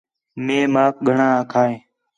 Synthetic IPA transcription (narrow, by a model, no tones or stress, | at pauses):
mẽːmaːk̚ɠʱəɳaːaːkʰaːẽː